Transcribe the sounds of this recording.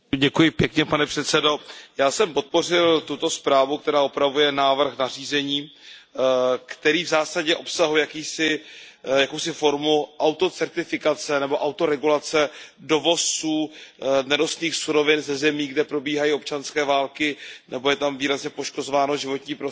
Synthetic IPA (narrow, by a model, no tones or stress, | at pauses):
ɟɛkujɪpjɛkɲɛpanɛpr̥ɛt̪sɛdo̞jaːsɛmpo̞t̪̚po̞r̝ɪlt̪ut̪o̞spɾaːvukt̪ɛɾaːopɾavujɛnaːvr̩xnariːzɛɲiː | kt̪ɛɾiːvzaːsaɟɛʔo̞psaɦujakiːsɪjakowsɪfo̞ɾmuʔawt̪o̞t͡sɛɾt̪ɪfɪkat͡sɛnɛbo̞ʔawt̪o̞ɾɛɡulat͡sɛdo̞vo̞suːnɛdosniːxsuɾo̞vɪnzɛzɛmiːɡdɛpɾo̞biːɦajiːo̞p̚t͡ʃanskɛːvaːlkɪnɛbo̞jɛt̪amviːɾazɲɛpo̞ʃko̞zo̞vaːno̞ʒɪvo̞t̪ɲiːpɾo